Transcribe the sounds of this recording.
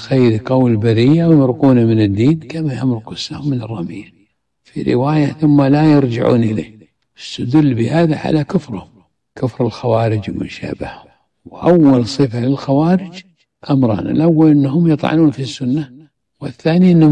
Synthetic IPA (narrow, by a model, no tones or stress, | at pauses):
xajːɾiqɑwlbaɾijawmɾquːnamɪnɪd̪ːiːnkamajamɾqʊsːahʊmːɪnɨrˤːɑmɪja | fḭɾɪ̰waːjaθʊmːalajɪɾd͡ʒɪ̰ʕṵːnʔɪlḛː | ɪst̪ad̪ʊlːbɪhaːðaʕa̰lakʊfɾhʊm | kʊfɾɪlxawaːɾɪd͡ʒmʊ̰ʃa̰ːba̰hhʊm | wʔawːalsˤɨfalɪlxawaːɾɪd͡ʒ | ʔamɾˤɑ̰ːna̰lʔawːalʔɪnːɦʊmjɨt̪ˤʕɑ̰nuːnfisːʊnːa | wɪθːaːniʔɪnː